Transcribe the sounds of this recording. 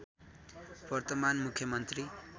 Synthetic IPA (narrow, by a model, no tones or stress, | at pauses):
b̥ʌrt̪ʌmanmukʰjʌmʌnt̪ri